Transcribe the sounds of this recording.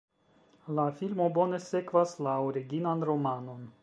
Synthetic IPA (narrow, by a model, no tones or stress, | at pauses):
lafilmo̞bo̞ne̞se̞kvaslaoɾiɡinanɾo̞mano̞n